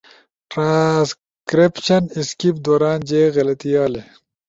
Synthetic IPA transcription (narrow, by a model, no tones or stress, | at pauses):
ʈɾãːs | kɾipɕɐniskip̚d̪oːɾaːnd͡ʑeːɣɐlɐt̪ijaːle